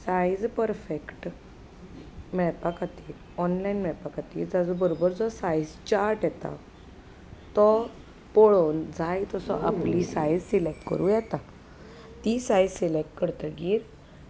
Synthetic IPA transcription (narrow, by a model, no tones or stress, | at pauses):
sajd͡zpəɾfekʈ | mɛɭpakat̪iːl | ɔnlainmɛɭpakat̪ḭːld͡zad͡zɔbəɾobəɾd͡zɔsajd͡zt͡ɕaɾʈjɛt̪a̰ | t̪ɔ | poɭond͡zʱajt̪ɔsɔ̰ʔa̰plisajd͡zsilek̚ʈkə̰ɾuːjɛt̪a | t̪isajd͡zselek̚ʈ̚kəɾt̪əɡiːɾ